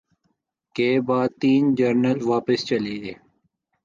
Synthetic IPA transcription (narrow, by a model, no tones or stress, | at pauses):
keːbaːd̪̚t̪iːnd͡ʒɐɾnəlʋaːpəst͡ʃɐliːd̪eː